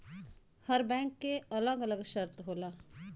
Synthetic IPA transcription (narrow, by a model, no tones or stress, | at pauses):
həɾbɛ̃ːŋkːeələɡələɡʃəɾt̪ɦoːlaː